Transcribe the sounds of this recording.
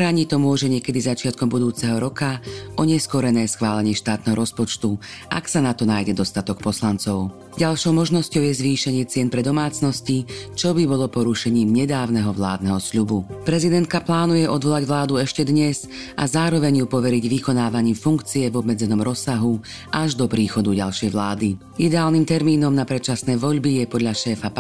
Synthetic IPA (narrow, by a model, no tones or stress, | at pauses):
ɾaɲit̪ɔmʊɔʒɛɲɪɛkɛd̪izat͡ʃɪat̪̚kɔmbud̪uːt͡sɛɦɔɾɔkaɔɲɛskɔɾɛnɛːsxʋaːlɛɲɪɛʃt̪aːt̪nɛɦɔɾɔspɔt͡ʃt̪u | ʔa̰ksanat̪ɔnaːjɟɛd̪ɔst̪at̪ɔk̚pɔslant͡sɔʊ | ɟalʃɔʊmɔʒnɔscɔʊjɛzʋiːʃɛɲɪɛt͡sɪɛnpɾɛd̪ɔmaːt͡snɔscit͡ʃɔbibɔlɔpɔɾuʃɛɲiːmɲɛd̪aːʊnɛɦɔʋla̰ːd̪nɛɦɔsʎubupɾɛzid̪ɛnt̪̚kaplaːnujɛʔɔd̪ʋɔlaɟʋlaːd̪uɛʃcɛd̪ɲɛz | ʔa̰zaːɾɔʋɛɲjupɔʋɛɾiɟʋikɔnaːʋaɲiːmfuŋkt͡siɛvɔbmɛd͡zɛnɔmɾɔsːaɦu | ʔaʒd̪ɔpɾiːxɔd̪uɟa̰lʃɛjʋlaːd̪i | id̪ɛaːlnimt̪ɛɾmiːnɔmnapɾɛt͡ʃasnɛːʋɔʎbijɛpɔd̪ʎaʃɛːfap